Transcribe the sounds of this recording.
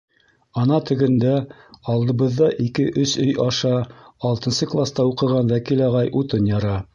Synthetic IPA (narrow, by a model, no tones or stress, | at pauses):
ɑnɑt̪ɵ̆ɡɘ̆nd̪æ | ɑlˠd̪ɤ̆βɤ̆ðːɑʔikɘʔɵsɵjʔɑʃɑɑlˠt̪ɤ̆nsɤklˠast̪ɑuqɤ̆ʁɑnwækilɑʁɑjʔut̪ɤnjɑɾɑ